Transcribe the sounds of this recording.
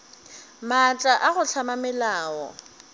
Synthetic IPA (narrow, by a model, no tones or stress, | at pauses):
mat͡ʃʼaʔaɣʊt͡ɬʰamamɛlaːwɔ̰